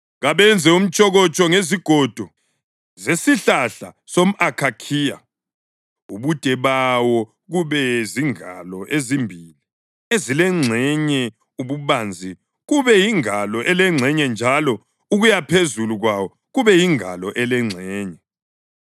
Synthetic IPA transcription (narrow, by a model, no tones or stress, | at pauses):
ɣaβɛnd͡zʱɛum̩t͡ʃʼɔɣɔt͡ʃʼɔŋeziɡ̥ʱɔd̥ʱɔ | zesiɬaɬa | som̩akʰakʰiːja̰ | uβud̥ʱɛβawɔ | ɣuβɛziŋa̰lɔʔezimbʱili | ezilɛŋ͡ǀʱɛɲɛ | uβuβand͡zʱi | ɣuβɛjiŋalɔʔɛlɛŋ͡ǀʱɛɲɛnd͡ʒʱalɔ | uɣujapʰezuluɣwawɔ | ɣuβɛjiŋa̰lɔʔɛlɛŋ͡ǀʱɛːɲɛ